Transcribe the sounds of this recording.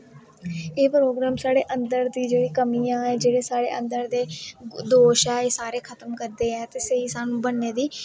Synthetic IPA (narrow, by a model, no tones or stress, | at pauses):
eːpɾoːɡɾaːmsaːɽeːʔə̃nd̪əɾd̪iːd͡ʒeːɽiːkəmiːãːɛːd͡ʒeːɽeːsaːɽḛːʔə̰̃nd̪əɾd̪eːd̪oːʃaːeːsaːɾeːkʰət̪əmkəɾd̪eːɛːt̪eːsəɦiːsaːnũːbənːeːd̪iː